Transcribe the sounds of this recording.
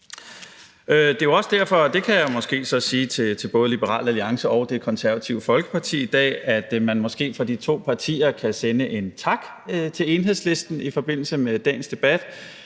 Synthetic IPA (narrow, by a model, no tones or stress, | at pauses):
ød̥e̝joɒ̽səd̥æɐ̰fɒ̽d̥e̝kʰæjämɒ̽sɡ̥e̝̰ːsɒ̽siːt͡sʰe̝t͡sʰe̝lb̥ɔ̽ːð̞ˠlib̥əʁɑ̰̈ːlæliɑ̈ŋsəʔɒ̽ʊd̥e̝kʰɒ̽nsæɐʋæt͡sʰiʊəfɒ̽lɡ̥ə̥pʰɑ̈t͡sʰḭːid̥ɛ̰ːæd̥mænmɒ̽sɡ̥e̝̰ːfɒd̥it͡sʰo̝̰ːpʰɑ̈t͡sʰḭːɐkʰæsenəʔe̝nt͡sʰɑ̈ɡ̥ | t͡sʰe̝le̝nɦe̝ðˠsle̝sd̥n̩ifɒ̽b̥e̝n̰l̩səmed̥ɛ̰ːnsd̥e̝b̥æd̥